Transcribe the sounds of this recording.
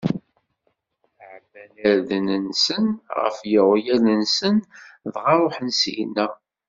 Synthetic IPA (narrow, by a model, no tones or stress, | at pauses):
ʕbælæɾðnənsənʁə̰fjəʁjælənsənðʁɑɾˤoħənsnæ